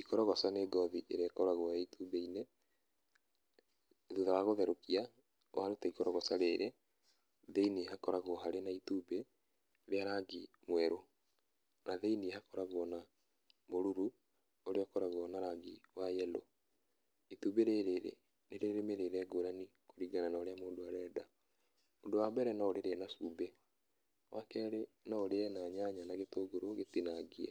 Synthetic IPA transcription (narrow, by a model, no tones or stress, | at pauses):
ikɔɾɔɣɔsaneɡɔðiʔeɾeakɔɾaɣwɔaitubeine | ðuðawaɣoðɛɾokia | waɾotaikɔɾɔɣɔsaɾeːɾe | ðeiniɦakɔɾaɣoɦaɾenaituːbe | ɾeaɾaːŋɡi | mwɛɾo | naðeinihakɔɾaɣwɔna | moɾuɾu | oɾeɔkɔɾaɣwɔnaɾaɡiwajɛlo̰ | ituːbeɾeɾeɾḛ | neɾeɾemeɾeɾɛɡoɾanikoɾiɣananaoɾeamoːndoaɾɛːda | odowabɛɾɛnaoɾeɾeɛnasuːbe | wʔakɛːɾenaoɾeɛnaɲaɲanaɣetoːɡoɾoɣetinaɡiɛ